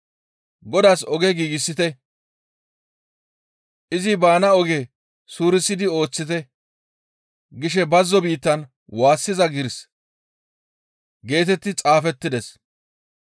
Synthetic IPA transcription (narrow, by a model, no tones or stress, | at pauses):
ɡɔd̪aːsɔɡɛɡiːɡɪsːɪt̪ɛ | ʔɪzɪbaːnɐɔɡe | suːɾɪsːɪd̪ɪo̞ːt͡sːɪt̪ɛ | ɡɪʃɛbɐzːɔbiːt̪ːɐn | waːsːɪzɐɡɪɾs | ɡe̞ːt̪ɛt̪ːɪt͡sʼaːfɛt̪ːɪd̪ɛs